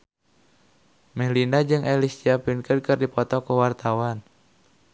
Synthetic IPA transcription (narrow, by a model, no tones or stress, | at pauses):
mɛhlindad͡ʒɨŋʔɛlisiapinkəd̚kɨrdipɔt̪ɔkuwart̪awan